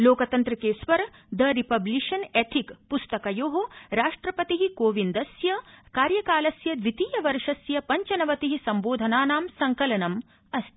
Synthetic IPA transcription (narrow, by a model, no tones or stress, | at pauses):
loːkɐt̪ɐnt̪ɾɐkeːsʋɐɾ | d̪ɐɾipɐbliʃɐnet̪ʰikpust̪ɐkɐjoːɦoɾaːʂʈɾɐpɐt̪iɦikoːʋind̪ɐsjɐkaːɾjɐkaːlɐsjɐd̪ʋit̪iːjɐʋɐɾʂɐsjɐpɐɲt͡ʃɐnɐʋɐt̪iɦisɐmboːd̪ʱɐnaːnaːmsɐŋkɐlɐnɐm | ɐst̪ʰi